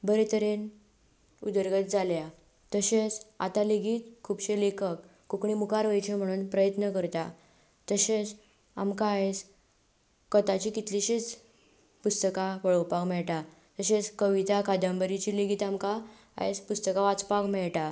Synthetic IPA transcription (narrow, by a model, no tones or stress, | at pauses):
bəɾet̪əɾen | ud̪əɾɡət̪̚d͡zalja | t̪əɕet͡sa̰t̪aleɡiːt̪kʰuːbɕelekʰəkː | ukɳimukaɾʋəjt͡ɕem̤əɽ̃uːnpɾəjət̪nəkəɾt̪a | t̪əɕet͡s | a̰mkaːet͡s | kət̪at͡ɕikit̪liɕet͡s | pust̪əkaʋəɭəwpakmɛɭʈa | t̪əɕet͡skəʋit̪akad̪əmbəɾit͡ɕileɡiːt̪amka | a̰jspust̪əkaʋat͡spakmɛɭʈa